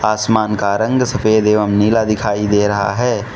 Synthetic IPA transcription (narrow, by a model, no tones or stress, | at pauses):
aːsmaːnkaɾɐ̃ŋɡsəpʰeːd̪eːʋəmniːlad̪ɪkʰaːid̪eːɾɐɦa̰ɦɛː